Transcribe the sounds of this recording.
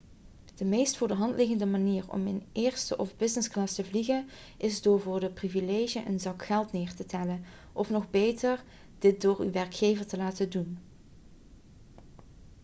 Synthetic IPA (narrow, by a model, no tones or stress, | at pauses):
d̥əmejstfʊːɹdəɦɑntlɪɣəndəmaniːɹɔ̰mɪnʔɪːɹstəʔɔvbɪznɪsklɑstəvliɣən | ʔɪzdoːɹvʊːɹdəprivilejʒənʔə̰nzɑkxɛlˠtnɪːɹtətɛlən | ʔɔfnɔxbejtəɹ | d̥ɪt̚dʊːɹyʋɛɹkxejvəɹtəlaːtədun